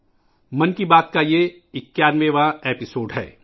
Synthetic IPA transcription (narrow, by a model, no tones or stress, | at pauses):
mɐnkibaːt̪̚kaje | ɪkjaːnʋẽʋãeːpɪsoːɖɦɛ̰ː